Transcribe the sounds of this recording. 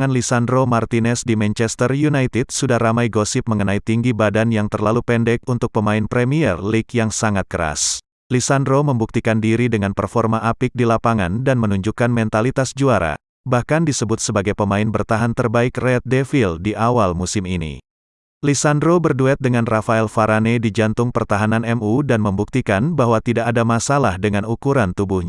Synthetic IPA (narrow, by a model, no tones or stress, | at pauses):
ŋanlisandɾomart̪inɛsdimɛnt͡ʃɛst̪ərjunajt̪ɪd̥̚sudahramajɡosɪp̚məŋənait̪iŋɡibadanjaŋt̪ərlalupɛndɛk̚unt̪ʊk̚pəmaɪnpɾɛmiɛrlikjaŋsaŋat̪̚kəɾa̰s | lisandɾoməmbuk̚t̪ikandiɾidəŋanpərfɔrmaʔapɪk̚dilapaŋandanmənuɲd͡ʒukanmɛnt̪alit̪asd͡ʒuaɾa̰ | bahkandisəbʊt̪̚səbaɡajpəmaɪnbərt̪aɦant̪ərbaɪkrɛt̪̚defildiʔawalmusɪminḭ | lisandɾobərduɛt̪̚dəŋanrafaɛlfaɾanedid͡ʒant̪ʊŋpərt̪aɦananɛmudanməmbuk̚t̪ikanbaɦwat̪idaʔːdamasalahdəŋanukuɾant̪ubuhɲa